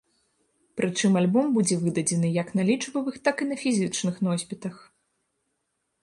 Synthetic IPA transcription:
pɾʔɨt͡ʂɨmalʲbɔmbud͡zʲɛvɨd̪ɐd͡zʲɛnɨjɐknalʲit͡ʂvɐvɨxt̪akinɐfʲizʲɨt͡ʂnɨxnɔsʲpʲit̪ɐx

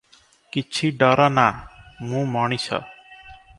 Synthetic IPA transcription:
kit͡ʃʰiɖɔɾɔnamũmɔɽ̃isʰɔ̰

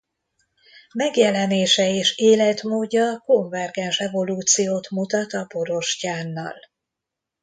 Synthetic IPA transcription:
mɛɡjɛlɛneːʃɛeːʃeːlɛt̪moːɟːɒko̞ɱvɛrɡɛnʃɛvo̞luːt̪sijoːt̪mut̪ɒt̪ɒpo̞ɾo̞ʃcaːnːɒ̰l

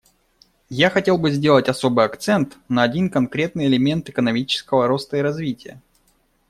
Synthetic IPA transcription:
jaxɐtʲe̞lˠbɨzʲdʲelˠətʲɐso̞bɨjɐkt̪sɛnt̪nəɐdʲinkɐnkɾʲe̞t̪̚nɨjɪlʲɪmʲe̞nt̪ɨkənɐmʲit͡ɕɪ̥skəvəɾo̞st̪əɪɾɐzvʲitʲɪjə̰

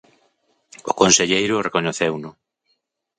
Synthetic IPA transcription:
ʊkonseʎejɾʊrekoɲoθewnʊ

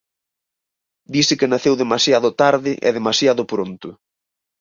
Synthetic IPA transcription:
d̪isɪkɪnaθewðemasjaðʊt̪aɾðɪʔɛ̰ðemasjaðʊpɾont̪ʊ

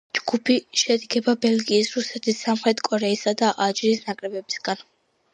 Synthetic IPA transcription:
d͡ʒɡ̥upʰiʃɛd̪ɡɛbabɛlɡiːsɾusɛt̪ʰisːamχɾɛt̪ʰkʼɔɾɛisad̪aʔad͡ʒɾiːsnakʼɾɛbɛbisɡan

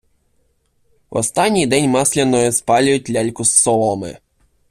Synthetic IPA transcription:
wɔ̰st̪anʲːijd̪ɛnʲmɑsʲlʲɛnːɔjɔspɑlʲʊjʊt̚ʲlʲalʲkʊsːɔlˠɔmɪ̰

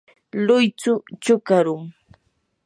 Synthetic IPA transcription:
lʊjt͡sʊt͡ʃʊkaɾʊŋ

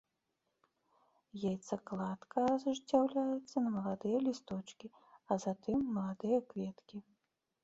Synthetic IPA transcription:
jejt̪sɐklˠat̪kʰɐzuʐd͡zʲawlʲajɛt̪sːɐnɐmɐlˠad̪ɨjɐlʲist̪ɔt͡ʂkʲi | ɐzat̪ɨmːɐlˠad̪ɨjɐkvʲɛt̪kʲi

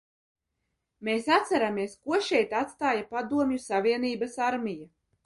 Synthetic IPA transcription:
meːsat̪sæɾamiɛskuɔʃɛjt̪at̪st̪aːjapad̪uɔmɲusavʲiɛniːbasaɾmʲija

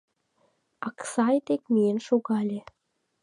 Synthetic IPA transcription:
ɑksɑjt̪ek̚mienʃoɣɑlʲe

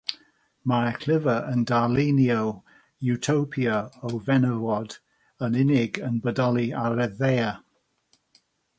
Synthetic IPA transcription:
maɛkʰl̥ɪvəəndalinjow | jutʰowpʰjəowvɛnəwɔd | ənɪnɪɡənbədɔlˠiaɾɛðeja

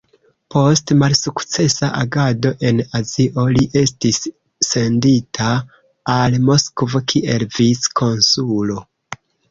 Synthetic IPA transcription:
po̞stmalsukt͡se̞saʔaɡado̞ʔe̞naziʔo̞liʔe̞stisː | e̞nditʰaː | lmo̞skvokʰiʔe̞lviskʰo̞nsulo̞

